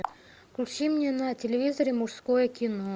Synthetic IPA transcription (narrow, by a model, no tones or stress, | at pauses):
klʲt͡ɕimnʲenɐtʲɪlʲɪvʲizəɾʲɪmʊʂskojəkʲɪno